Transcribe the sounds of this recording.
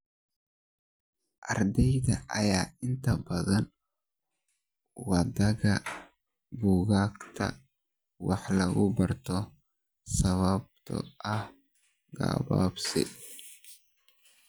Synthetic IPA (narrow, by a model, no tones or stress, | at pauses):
ʔɐrd̪ɛjðɐʔjaːɪnt̪ʰɐbɐðɐn | wɐd̪ɐɣɐ | buːɣaːkt̪ʰɐ̰ | wɑħlɐɣʊbɐrt̪ʰɔ | sɐβɐb̚t̪ʰɔ̰ʔɐh | ɡa̰ːβa̰ːbsɪ̰